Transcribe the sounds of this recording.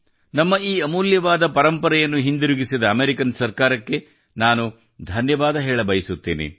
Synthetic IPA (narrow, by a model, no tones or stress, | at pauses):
nɐmːɐiːɐmuːljɐʋaːd̪ɐpɐɾɐmpɐɾɐjɐnːuɦind̪iɾuɡisid̪ɐːmeɾikɐnsɐɾkaːɾɐkːe̞ | naːnu | d̪ʱɐnjɐʋaːd̪ɐɦɛːɭɐbɐjisut̪ːḛːnḭ